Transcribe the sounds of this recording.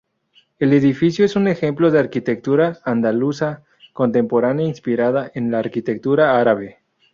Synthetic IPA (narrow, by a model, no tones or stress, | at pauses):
e̞le̞ðifisjoe̞sune̞xe̞mplo̞ðeaɾkit̪e̞k̚t̪uɾaːnd̪alusa | ko̞nt̪e̞mpo̞ɾanjainspiɾaðaʔenlaːɾkit̪e̞k̚t̪uɾaaɾaβe̞